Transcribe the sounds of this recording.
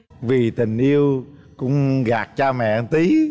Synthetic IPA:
vi˨˩t̪ï˨˩ŋ̟ʔi˧əw | kʊ̰˧˥ŋ͡mɣaː˨˩k̚t͡ɕaː˧mɛ̰˧˨ənt̪i˨˦

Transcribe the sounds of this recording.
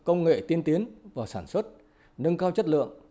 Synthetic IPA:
kə˧wŋ͡mŋḛ˧˨t̪i˧ənt̪i˨˦ənvaː˨˩saː˧˩nswə˦˥t̚ | nɨə˧ŋkaː˧wt͡ɕə˦˥t̚lɨ̰˧˨əŋ

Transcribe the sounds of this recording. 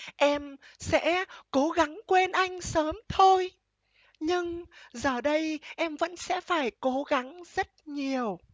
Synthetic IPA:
ʔɛ˧msɛ̰˧˥ko˨˦ɣa˨˦ŋkwe˧nʔa˧jŋ̟səː˨˦mt̪ʰo˧j | ɲɨ˧ŋzəː˨˩ɗə˧jʔɛ˧mvə̰˧˥nsɛ̰˧˥faː˧˩jko˨˦ɣa˨˦ŋzə˦˥t̚ɲi˨˩əw

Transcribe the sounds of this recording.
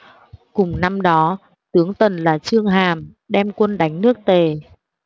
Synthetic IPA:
kʊ˨˩ŋ͡mna˧mɗɔ˨˦ | t̪ɨ˨˦əŋt̪ə˨˩nlaː˨˩t͡ɕɨ˧əŋɦaː˨˩m | ɗɛ˧mkwə˧nɗa˨˦jŋ̟nɨ˦˥ək̚t̪e˨˩

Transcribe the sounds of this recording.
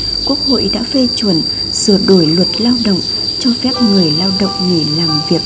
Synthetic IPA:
ku˦˥ək̚ho̰˧˨jɗa̰ː˧˥fe˧t͡ɕwə˨˩n | sɨ˧˩əɗo˧˩jlwə˨˩t̚laː˧wɗə̰˧˨wŋ͡m | t͡ɕɔ˧fɛ˦˥p̚ŋɨ˨˩əjlaː˧wɗə̰˧˨wŋ͡mŋi˨˩laː˨˩mvi˨˩ək̚

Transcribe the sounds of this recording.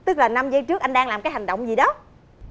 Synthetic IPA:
t̪ɨ˦˥k̚laː˨˩na˧mzə˧˦t͡ɕɨ˦˥k̚ʔa˧jŋɗaː˧ŋlaː˨˩mkaː˨˦ɦa˨˩ŋ̟ɗə̰˧˨wŋ͡mzi˨˩ɗɔ˨˦

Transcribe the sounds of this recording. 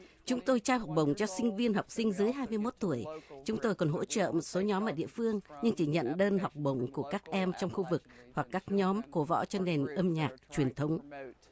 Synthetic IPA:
t͡ɕʊ˨˦ŋ͡mt̪o˧jt͡ɕaː˧wha˨˩k͡p̚ɓə˨˩wŋ͡mt͡ɕɔ˧sï˧ŋ̟vi˧ənɦa˨˩wk͡p̚sï˧ŋ̟zɨ˨˦jɦaː˧jmɨ˧əjmo˦˥t̚t̪u˧˩əjt͡ɕʊ˨˦ŋ͡mt̪o˧jkɔ˨˩nɦo̰˧˥t͡ɕə̰ː˧˨mo˨˩t̚so˨˦ɲɔ˨˦mʔəː˧˩ɗḭ˧˨əfɨ˧əŋɲɨ˧ŋt͡ɕi˧˩ɲə̰˧˨nɗəː˧nɦa˨˩wk͡p̚ɓə˨˩wŋ͡mku˧˩əkaː˦˥k̚ʔɛ˧mt͡ɕɔ˧wŋ͡mxu˧vɨ˨˩k̚hwa˨˩kːaː˦˥k̚ɲɔ˨˦mko˨˦vɔ̰˧˥t͡ɕɔ˧ne˨˩nʔə˧mɲaː˨˩k̚t͡ɕwi˨˩ənt̪ʰə˨˦wŋ͡m

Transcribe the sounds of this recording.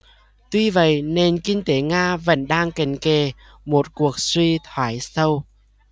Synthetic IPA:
t̪wi˧və̰˧˨jne˧nki˧ŋt̪e˨˦ŋaː˧və̰˧˥nɗaː˧ŋka˨˩ŋ̟ke˨˩ | mo˨˩t̚ku˨˩ək̚swi˧t̪ʰwaː˨˩jsə˧w

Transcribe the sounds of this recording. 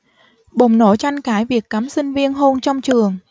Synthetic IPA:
ɓo˨˩ŋ͡mno˧˩t͡ɕa˧jŋkaː˨˦jvi˨˩əkːaː˨˦msï˧ŋ̟vi˧ənɦo˧nt͡ɕɔ˧wŋ͡mt͡ɕɨ˨˩əŋ

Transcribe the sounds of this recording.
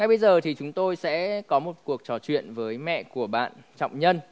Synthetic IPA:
ŋa˩jɓə˧jzəː˨˩t̪ʰi˨˩t͡ɕʊ˨˦ŋ͡mt̪o˧jsɛ̰˧˥kɔ˨˦mo˨˩t̚ku˨˩ək̚t͡ɕɔ˧˩t͡ɕwḭ˧˨ənvəː˨˦jmɛ̰˧˨ku˧˩əɓa̰ː˧˨nt͡ɕɔ̰˧˨wŋ͡mɲə˧n

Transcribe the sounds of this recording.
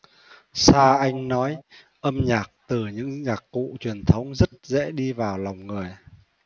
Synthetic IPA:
saː˧ʔa˧jŋ̟nɔ˨˦j | ʔə˧mɲaː˨˩k̚t̪ɨ˨˩ɲɨ̰˧˥ŋɲaː˨˩kːṵ˧˨t͡ɕwi˨˩ənt̪ʰə˨˦wŋ͡mzə˦˥t̚zɛ̰˧˥ɗi˧vaː˨˩wla˨˩wŋ͡mŋɨ˨˩əj

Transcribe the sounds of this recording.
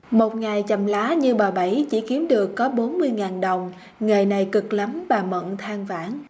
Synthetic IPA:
mo˨˩t̚ŋa˨˩jt͡ɕə˨˩mlaː˨˦ɲɨ˧ɓaː˨˩ɓa˧˩jt͡ɕḭ˧˥ki˨˦əmɗɨ˨˩əkːɔ˨˦ɓo˨˦nmɨ˧əjŋaː˨˩nɗə˨˩wŋ͡m | ŋəː˨˩jna˨˩jkɨ˨˩k̚lə˨˦mɓaː˨˩mə̰˧˨nt̪ʰaː˧ŋva̰ː˧˩n

